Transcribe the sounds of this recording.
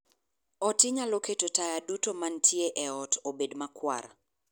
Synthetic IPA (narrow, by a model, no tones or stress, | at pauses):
ɔtɪɲaloketotajadutomantʰjeʔɛɔtʰobedmakwa̰ɾa